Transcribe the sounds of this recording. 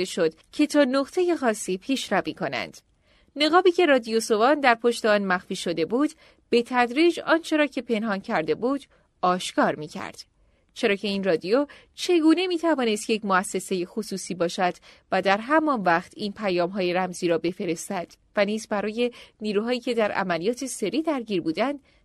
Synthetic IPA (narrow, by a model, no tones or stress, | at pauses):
eʃod̪̥cʰe̞t̪ʰɒːnoʁt̪ʰe̞je̞xɒːsiːpʰiːʃɾæviːkʰo̞næ̰nd̪̥ | ne̞ɣɒːbiːce̞ɾɒːd̪ijoso̞vɒːnd̪æɾpʰo̞ʃt̪eɒːnmæxfiːʃo̞d̪e̞buːd̪̥ | b̥e̞t̪ʰæd̪ɾiːd͡ʒɒːnt͡ʃʰe̞ɾɒːcʰe̞pʰe̞nɦɒːncʰæɾd̪e̞buːd̪̥ | ɒːʃkɒːɾmiːcʰæ̰ɾd̪̥ | t͡ʃʰe̞ɾɒːcʰe̞iːnrɒːd̪io | t͡ʃʰe̞ɡuːne̞miːt̪ʰævɒːne̞st̪jecmoæsːe̞se̞jexosuːsiːbɒːʃæd̪̥ | væd̪æɾɦæmɒnvæχt̪ʰiːnpʰæjɒːmɦɒːje̞ɾæmziːɾɒːbe̞fe̞ɾe̞st̪æd̪̥ | væniːzbæɾɒːje̞niːɾuːɦɒːiːcʰe̞d̪æɾæ̰mælijɒːt̪ʰe̞se̞ɾiːd̪æɾɡiːɾbuːd̪ænd̪̥